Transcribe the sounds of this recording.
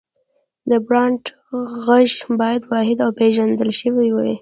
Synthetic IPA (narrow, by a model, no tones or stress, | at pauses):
d̪əbɾɑɳʈ | ɣaʒbɑjad̪wɑhɪd̪awpeʒand̪əlʃəwiwi